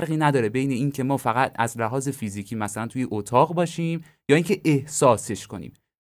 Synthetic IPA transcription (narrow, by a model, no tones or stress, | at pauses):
ɾɣiːnæd̪ɒːɾe̞bejne̞iːncʰe̞mɒːfæɣæt̪ʰæ̰zlæɦɒːze̞fiziːcʰiːmæsælænt̪ʰuːjeʔot̪ʰɒːɣbɒːʃiːm | jɒːiːŋcʰe̞ʔehsɒːse̞ʃko̞nḭːm